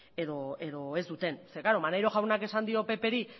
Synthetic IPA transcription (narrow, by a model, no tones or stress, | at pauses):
eðo̞e̞ðo̞e̞zd̪ut̪e̞nsekaɾo̞manajɾo̞ʝawnake̞sand̪io̞pe̞pe̞ɾi